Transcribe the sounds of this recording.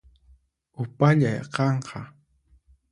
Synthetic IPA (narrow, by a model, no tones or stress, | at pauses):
ʊpaʎajqɑɴqʰɑ